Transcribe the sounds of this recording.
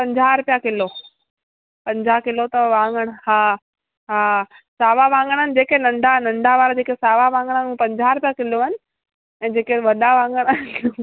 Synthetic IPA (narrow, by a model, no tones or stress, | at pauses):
pɐ̃ɲd͡ʑʱaɾʊpjakɪlo | pɐ̃ɲd͡ʑakɪlot̪ɐʋãːŋɡəɽ̃haː | ɦaː | saːʋaʋãːŋɡəɽ̃ənɪ̆d͡ʑeːkenɐ̃ɳɖʱanɐ̃ɳɖʱaʋaːɾad͡ʑeːkesaːʋaʋãːŋɡəɽ̃nũpɐ̃ɲd͡ʑaɾʊpjakɪloɐnɪ̆ | ɛ̃ːd͡ʑeːkeʋɐɗaʋãːŋɡəɽ̃ən